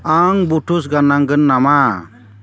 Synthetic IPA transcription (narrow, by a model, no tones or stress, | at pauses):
aŋbuʈʰusɡanaŋɡɯnːama